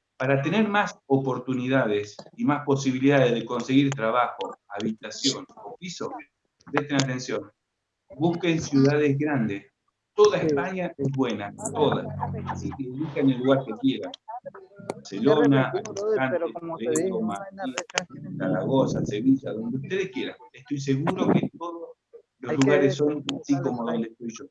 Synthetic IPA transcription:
paɾat̪e̞ne̞ɾmasopo̞ɾt̪uniðað̞esimaspo̞siβiliðaðezðeko̞nseɣiɾt̪ɾaβaxoaβit̪asjo̞nopiso | pɾeht̪enat̪e̞nsjo̞n | buskensjuðaðezɣɾand̪es | t̪oðaespaɲaezβwe̞nat̪o̞ða̰asikeβuhkanelːuɣaɾkekje̞ɾanbaɾselonaanteet̪omat̪isaɾaɣosaseβiʒaðo̞nd̪eut̪e̞ðehkje̞ɾa̰neht̪ojs̬e̞ɣuɾoket̪oðos | lozluɣaɾesso̞nasiko̞moðo̞nd̪eht̪ojʒo

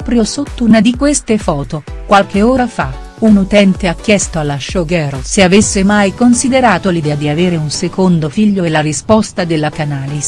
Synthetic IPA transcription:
pɾjosot̪ːounad̪ikwest̪efɔːt̪okwalk̟eoːɾafa | unut̪ɛnt̪eak̟ːjɛst̪oalːaʃoɡɛɾoseavesːemajkonsid̪eɾaːt̪olid̪ɛːad̪iaveːɾeunsekond̪ofiʎːoelːaɾispɔst̪ad̪elːakanaːliz

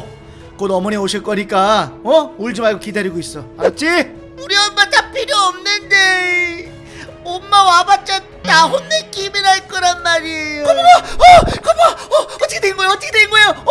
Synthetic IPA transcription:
konʌmuneoɕʰiɭk͈ʌɲik͈aʌuɭd͡ʑɯmaɭɡokidaɾiɡois͈ʌaɾʌt͡ɕ͈i | uɾiʌmmat͡ɕ͈apʰiɾjoʌmnɯnde | omːawabat͡ɕ͈a | t͈aɦonːek͈imiɾaɭk͈ʌɾanmaɾiejokakɯmaʌt͈ʰːkʰeneŋɡoeoʌt͈ʰɯkʰeneɡoejo

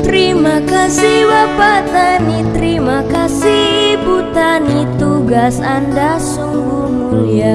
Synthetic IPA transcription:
t̪ɾimakasiwapat̪anit̪ɾimakasibut̪anit̪uɡasandasuŋɡumulia

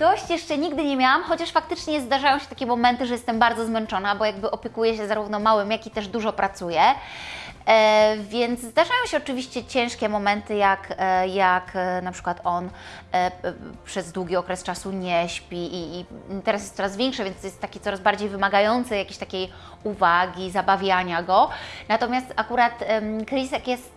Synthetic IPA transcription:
d̪̥ɔɕt͡ɕjɛʂt͡ʂɛɲiɡd̪ɘɲɛmʲjawamxɔt͡ɕaʂfak̚t̪ɘt͡ʂɲɛzd̪aʐajɔ̃w̃ɕɛt̪akʲɛmɔmɛnt̪ɘʐɛjɛst̪ɛmbaɾd̪zɔzmɛnt͡ʂɔnabɔjaɡ̚bɘʔɔpʲjɛkujɛɕɛzaɾuvnɔmawɘmjakʲit̪ɛʐd̪uʐɔpɾʔat̪sujɛ | vʲjɛnt̪szd̪aʐajɔ̃w̃ɕɛɔt͡ʂɘvʲiɕt͡ɕɛt͡ɕɛ̃w̃ʂkʲɛmɔmɛnt̪ɘjakjaknapʂɘ̥kwat̪ɔn | pʂɛzd̪wuɡʲiɔkɾɛst͡ʂasuɲɛɕpʲiʔit̪ɛɾasjɛst̪sɔɾazvʲjɛ̃ŋkʂɨvʲjɛnsɔjɛst̪ːakʲet̪sɔɾazbaɾd͡ʑejvɘmaɡajɔnt̪sɛjakʲeɕt̪akʲej | uvaɡʲizabavʲjaɲaɡɔnat̪ɔmʲjast̪akuɾat̪kɾisɛkjɛst̪

